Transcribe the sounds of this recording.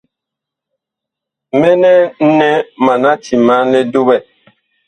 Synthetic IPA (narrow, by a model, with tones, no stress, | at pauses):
mɛ˦nɛ˦n̩˦nɛ˦ma˨na˦ti˨ma˦lɛ˦du˦bɛ˦˨